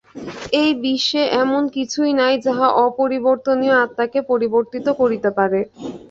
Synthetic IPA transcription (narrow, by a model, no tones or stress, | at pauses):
ejbiʃːeʔɛmonkit͡ɕʰujnajd͡ʑaɦaʔɔpoɾiboɾt̪onioat̪ːakepoɾiboɾt̪it̪okoɾit̪epaɾe